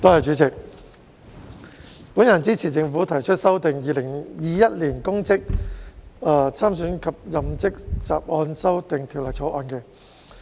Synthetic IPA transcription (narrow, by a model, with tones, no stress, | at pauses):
t̪o˥hɐ˨jt͡ʃyː˨˥t͡sɪ˨˩k̚ | puː˨˥njɐ˨˩nt͡siː˥t͡sʰiː˨˩t͡sɪ˧ŋfu˨˥t̪ʰɐ˨˩jt͡ʃʰɵ˥t̚sɐ˥wt̪ɪ˨ŋjiː˧lɪ˨˩ŋjiː˨˧jɐ˥t̚liː˨˩nkʊ˥ŋt͡sɪ˥k̚ | ɐː˨˧˩t͡sʰaː˥msyː˨˥nkʰɐ˨p̚jɐ˨˧mt͡sɪ˥k̚t͡sa̰ː˨p̚ʔɔː˧nsɐ˥wt̪ɪ˨ŋt̪ʰiː˨˩wlɐ˨jt͡sʰɔː˨˥ʔɔː˧nkɛ˧